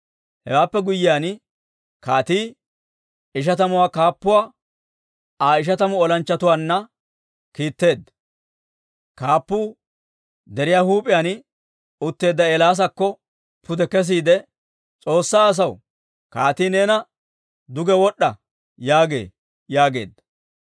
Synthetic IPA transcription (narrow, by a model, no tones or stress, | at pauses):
hɛ̰waːpːɛɡʊjːɪjaːn | kaːt̪iː | ɪʃ̬ɐt̪ɐmʊwaːkaːpːʊwaː | aːɪʃ̬ɐt̪ɐmʊɔlɐnt͡ʃːɐt̪ʊwaːnːɐ | kiːt̪ːe̞ːd̪ːɐ | kaːpːuː | d̪ɛɾɪjaːhuːpʼɪjaːn | ʊt̪ːe̞ːd̪ːɐɛlaːs̬ɐkːɔ | pʰʊd̪ɛkɛs̬iːd̪ɛ | t͡sʼo̞ːsːaːs̬ɐw | kaːt̪iːnɛːnɐ | d̪ʊɡɛwɔɗːɐ | jaːɡḛː | jaːɡe̞̰ːd̪ːɐ̥